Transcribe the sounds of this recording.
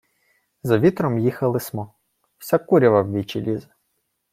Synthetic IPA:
zɐʋʲit̪ɾɔmjixɐlˠɪsmɔ | w̥sʲakuɾʲiʋɐwʋʲit͡ʃilʲizɐ

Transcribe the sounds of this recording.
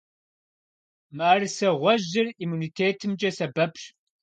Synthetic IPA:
maːrɨsɐʁʷɔʑɪrimuːnitʰeːtʰɨmd͡ʒʼɐsɐbɐpʰɕ

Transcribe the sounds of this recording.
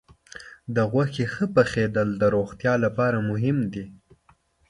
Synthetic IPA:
d̪əɣwaxexəpəxed̪əld̪əɾoxt̪jɑlapɑɾamʊɦɪmd̪i

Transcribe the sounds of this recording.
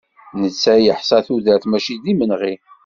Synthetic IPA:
nət͡sːæjəħsˤæθuðəɾθmæʃiðimənʁi

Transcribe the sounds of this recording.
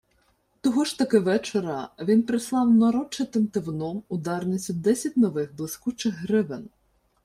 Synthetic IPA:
t̪ɔɦɔʃt̪ɐkɪʋɛt͡ʃeɾɐʋʲinpɾɪslˠɑwnɐɾɔt͡ʃːɪt̪ɪmt̪ɪwnɔmʊd̪ɑrnɪsʲid̪ɛsʲɐt̚ʲnɔʋɪxblˠɪskut͡ʃɪɣɦɾɪʋɪn

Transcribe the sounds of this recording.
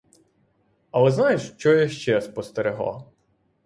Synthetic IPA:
ɐlˠɛznɑjɪʃt͡ʃɔjɐʃt͡ʃɛspɔst̪eɾɪɦlˠa̰

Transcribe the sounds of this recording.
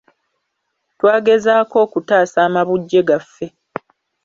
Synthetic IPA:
twaːɡe̞zaːko̞ːkutaːsaːmaβuɟːe̞ɡafːe̞

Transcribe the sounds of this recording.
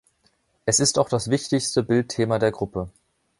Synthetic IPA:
ʔɛsɪstaʊxd̥asv̥ɪçtɪçstəbɪltʰːeːmadeːɐɡʁʊpə

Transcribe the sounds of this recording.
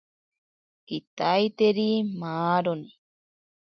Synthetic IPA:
kit̪ajt̪eɾimaːɾoni

